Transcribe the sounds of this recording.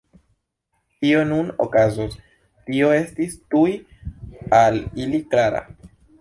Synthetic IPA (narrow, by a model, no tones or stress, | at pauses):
tio̞nuno̰kazos | tio̞e̞stistuj | aliliklaɾa̰